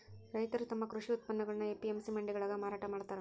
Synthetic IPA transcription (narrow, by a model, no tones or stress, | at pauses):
ɾɐjt̪ɐɾut̪ɐmːɐkɾuʂiut̪̚pɐnːɐɡɐɭɐnːɐepːiemsimɐɳɖiɡɐɭaːɡɐmaːɾaːʈɐmaːɽt̪aːɾ